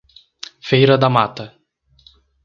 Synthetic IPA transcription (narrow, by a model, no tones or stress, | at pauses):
fejɾɐd̪ɐmat̪ɐ